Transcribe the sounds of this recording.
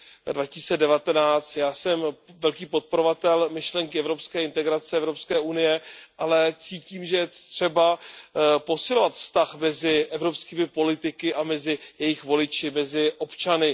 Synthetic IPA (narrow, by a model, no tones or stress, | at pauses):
dvacist͡sɛdɛvat̪ɛnaːt͡st̪jaːsɛmvɛlkiːpot̪̚poɾovat̪ɛlmɪʃlɛŋkɪɛvɾo̞pskɛːɪnt̪ɛɡɾat͡sɛɛvɾo̞pskɛːʔunɪjɛʔalɛt͡siːciːmʒɛjɛt̪r̥ɛba | po̞sɪlo̞vat̪fst̪axmɛzɪʔɛvɾo̞pskiːmɪpo̞lɪt̪ɪkɪʔamɛzɪjɛjɪxvo̞lɪt͡ʃɪmɛzɪʔo̞pt͡ʃanɪ